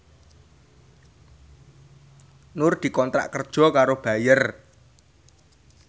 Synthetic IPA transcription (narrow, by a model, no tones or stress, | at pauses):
nʊrd̪̥i̤kɔnt̪ɾa̰ʔkərd̥ʒ̥ɔ̤kaɾob̥a̤jər